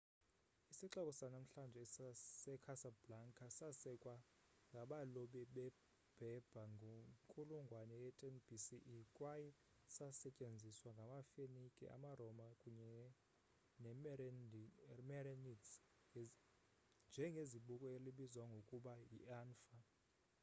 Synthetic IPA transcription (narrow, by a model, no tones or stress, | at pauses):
isiǁakʼɔsanam̩ɬand͡ʒʱɛsɛkʰasablaŋkʰʼasasɛkʼwa | ŋɡʱaɓalɔɓɛɓɛ | b̥ʱɛb̥ʱaŋɡʱokʼuluŋɡʱwanɛjɛtʼɛnb̥isiʔkʼwajɛ | sasɛcʼend͡zʱiswaŋɡʱamafenikʼḭʔa̰marɔmakʼuɲɛ | nɛm | mɛrɛnits | nd͡ʒʱɛŋɡʱeziɓukʼɔeliɓizwaŋɡʱokʼuɓajḭaːnfa